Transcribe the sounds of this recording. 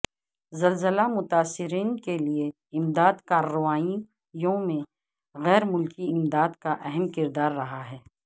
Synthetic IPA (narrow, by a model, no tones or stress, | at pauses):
zɐlzəlamʊt̪aːsːɪɾiːnkelie | ɪmd̪aːd̪kaːɾːəʋaːi | jõmẽ | ɣɛːɾmʊlkiɪmd̪aːd̪kaʔɛɦɛmkɪɾd̪aːɾːɐɦaɦɛː